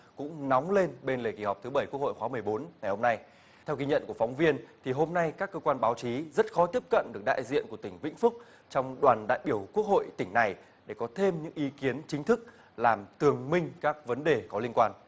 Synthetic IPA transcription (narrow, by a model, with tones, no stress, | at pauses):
kʊ̰˧˥ŋ͡mnɔ˨˦wŋ͡mle˧nɓe˧nle˨˩ki˧˩hɔ˨˩k͡p̚t̪ʰɨ˨˦ɓə˧˩jku˦˥kho̰˧˨xwaː˨˦mɨ˨˩əjɓo˨˦nŋa˨˩jho˧mna˧j | t̪ʰɛ˧wki˧ɲə̰˧˨nku˧˩əfɔ˨˦wŋ͡mvi˧ənt̪ʰi˨˩ɦo˧mna˧jkaː˦˥kːəː˧kwaː˧nɓaː˨˦wt͡ɕi˨˦zə˦˥t̚xɔ˨˦t̪i˦˥əp̚kə̰˧˨nɗɨ˨˩ək̚ɗa̰ː˧˨jzḭ˧ənku˧˩ət̪ï˧˩ŋ̟vḭ˧˥ŋ̟fʊ˦˥k̚ | t͡ɕɔ˧wŋ͡mɗwaː˨˩nɗa̰ː˧˨jɓi˧˩əwku˦˥ək̚ho̰˧˨jt̪ï˧˩ŋ̟na˨˩j | ɗe˧˩kɔ˨˦t̪ʰe˧mɲɨ̰˧˥ŋʔi˨˦ki˨˦ənt͡ɕï˨˦ŋ̟t̪ʰɨ˦˥k̚ | laː˨˩mt̪ɨ˨˩əŋmï˧ŋ̟kaː˦˥k̚və˨˦nɗe˨˩kɔ˨˦li˧ənkwaː˧n